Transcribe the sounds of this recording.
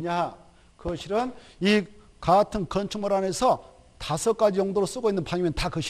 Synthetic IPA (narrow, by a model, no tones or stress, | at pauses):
ɲa | kɯʌɕʰiɾɯni | katʰɯnkʌnt͡ɕʰuŋmoɾanesʰʌ | tasʰʌk͈ad͡ʑijoŋdoɾos͈uɡoinːɯnpʰaŋimeʌntakɯɕʰ